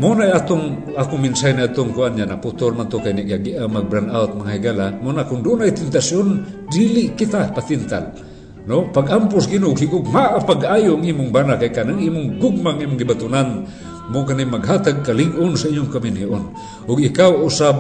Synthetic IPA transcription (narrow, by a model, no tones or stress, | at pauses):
monajaːt̪ʊŋ | akʊŋmɪnsajniad̪̚t̪oŋkʊʔanɲanaput̪olmant̪okajniʔɡaɡiʔamaɡ̚bɾanaʊt̪̚maŋahiɡalamonakʊndʊnajt̪ɪnt̪asjondilɪʔkɪt̪apat̪ɪnt̪a̰l | nopaɡʔampʊsɡinoʊɡɦɪɡʊɡ̚maʔapaɡajʊʔaŋiːmʊŋbanaʔkajkanaŋʔimʊŋɡʊɡ̚maŋʔimʊŋɡibat̪ʊnan | mʊkanimaɡɦat̪aɡ̚kalɪɡʔʊnsaʔiɲʊŋkamɪnɦiʔon | ʔʊɡɪkawʔʊsab̚